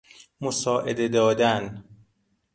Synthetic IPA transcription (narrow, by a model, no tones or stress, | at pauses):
mosɒːʔed̪ed̪ɒːd̪æn